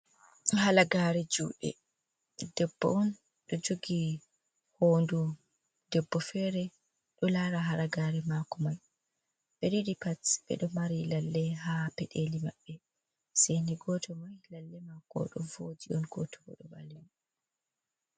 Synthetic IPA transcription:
halaɡaːɾɛd͡ʒuʔɛ̰ | dɛbːɔ̰ʔɔn | ɗɔd͡ʒoɡi | hondu | dɛbːɔfɛɾɛ | ɗɔlaɾaɦaɾaɡaɾɛmakɔmaj | ɓeɾiɾipasɓɛ̰ɗɔmaɾilalːɛɦapɛɗelimaɓːɛ | seniɡɔtʰɔmajlalːɛmakɔ̰ɗɔ̰vod͡ʒiʔɔnɡɔtɔɔ̰ɗɔba̰lin

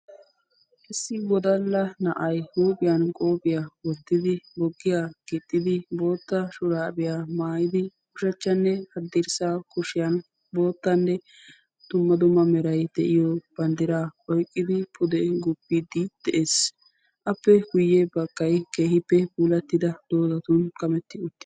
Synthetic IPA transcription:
ʔɪsːɪwɔd̪ɐlːɐnɐʔɐjhuːpʼɪjɐnkʼoːpʼɪjawɔt̪ːɪd̪ɪbɔɡːɪjaːɡ̥ɪt̪ʼːɪd̪ɪbo̞ːt̪ːɐʃʊɾaːbɪjaːmaːjɪd̪ɪkʊʃɐt͡ʃːɐnːɛhɐd̪ːɪɾsaːkʊʃɪjɐn | bo̞ːt̪ːɐnːɛ | d̪̥ʊmːɐd̪ʊmːɐmɛɾɐjd̪ɛʔɪjɔb̥ɐnd̪ɪɾaːʔɔjkʼːɪd̪ɪpʰʊd̪ɛɡʊpːid̪ɪd̪̥ɛʔeːs | ʔɐpːɛɡʊjːɛbɐɡ̥ːɐjkeːhɪpːɛbuːlɐt̪ːɪd̪ɐd̪̥oːd̪ɐt̪ʊnkʼɐmɛt̪ːɪʊt̪ːɪ̥

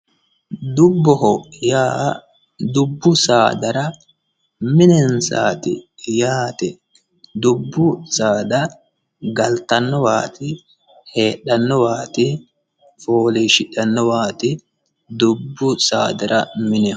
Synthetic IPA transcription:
d̪ʊbːɔhɔjaː | d̪ʊbːʊsaːd̪ɐɾɐ | mɪnɛnsa̰ːt̪ɪ̰jaːt̪ɛ | d̪ʊbːʊsaːd̪ɐ | ɡɐlt̪ɐnːɔwaːt̪ɪ | he̞ːɗɐnːɔwaːt̪ɪ | foːliːʃɪᶑɐnːɔwaːt̪ɪ | d̪ʊbːʊsaːd̪ɐɾʔɐmɪnɛ

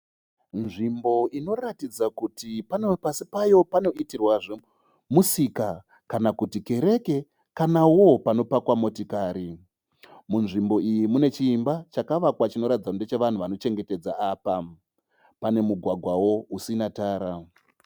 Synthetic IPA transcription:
nʐimbo̞ino̞ratid͡zakutipanepasipajo̞pano̞itirwaʐe | musika | kanakutike̞ɾe̞ke̞ | kanawo̞pano̞pakwamo̞tikaːɾi | munʐimbo̞ijimune̞t͡ʃiːmbat͡ʃakaʋakwat͡ʃino̞ɾatid͡zakundet͡ʃeʋan̤uʋano̞t͡ʃe̞ŋɡe̞te̞d͡zaaːpa | pane̞muɡʱwaɡʱwawo̞usinataːɾa

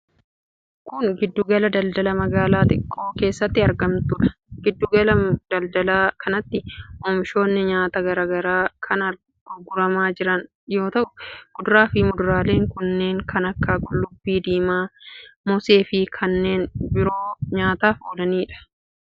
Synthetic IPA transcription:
kʊŋɡɪd̪ːʊɡɐlɐd̪ɐld̪ɐlɐmɐɡaːlaːt̪ʼɪ̰kʼːo̞ːke̞ːsːɐt̪ːɪɐɾɡɐmt̪ʊᶑɐ̥ | ɡɪd̪ːʊɡɐlɐd̪̥ɐld̪ɐlaːkʰɐnɐt̪ːɪʔomʃo̞ːnːɪɲaːt̪ɐɡɐɾɐɡɐɾaːkʰɐnɐɾ | ɡ̥ʊɡʊɾɐmaːd͡ʒɪɾɐn | jo̞ːt̪ɐʔʊɡ̥ʊd̪ʊɾaːfɪmʊd̪ʊɾaːle̞ːŋkʊnːe̞ːŋkʰɐnɐkːaːɡʼʊlːʊbːiːd̪iːmaːmɔse̞ːfɪkʰɐnːe̞ːnbɪɾo̞ːɲaːt̪aːfoːlɐniːᶑɐ̥

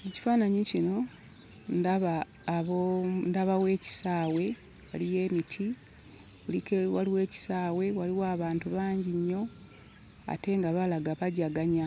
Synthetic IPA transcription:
eci̥faːnaɲicino̞ | ndaβaː | βondaβawe̞ːci̥saːwe̞ | wa̰lije̞ːmitʰi | ulikewaliwe̞ːci̥saːwe̞waliwaːβaːntuβaːɲɟiɲːo̞ | a̰te̞ŋɡaβalaɡaβaɟaɡaɲa

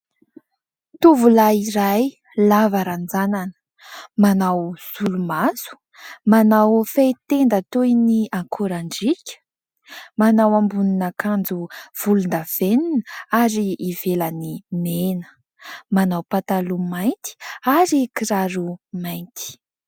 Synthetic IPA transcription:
t̪uvulaiɾaj | lavaɾand͡zananə̥ | manawz̥ulumazu̥ | manawfajt̪end̪at̪ujniaŋkʰuɾaɳɖ͡ʐikʲə̥ | manawambuninakand͡zuv̥ulund̪av̥eninəaɾiʔːvelanimenə̥ | manawpat̪alumajnt̪i̥aɾikiɾaɾumajnt̪i̥

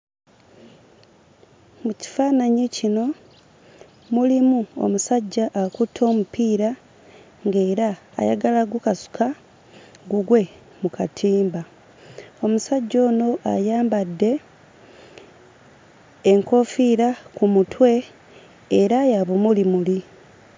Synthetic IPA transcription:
muci̥faːnaɲicino̞ | mulimuo̰musaɟːaʔːkutʰo̞ːmupiːɾa | ŋɡe̞ːɾa̰ː | ja̰ɡalaɡukasu̥kʰa | ɡuɡwe̞ | mukatʰiːmba | o̞musaɟːo̞ːno̞ʔa̰jaːmbadːe̞ | ŋko̞fiɾakumutwe̞ː | ɾajaβomulimuli

